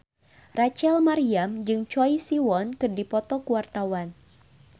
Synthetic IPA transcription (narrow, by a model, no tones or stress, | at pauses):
rat͡ʃɛlmaɾiamd͡ʒɨŋt͡ʃɔjsiwɔnkɨrdipɔt̪ɔkuwart̪awan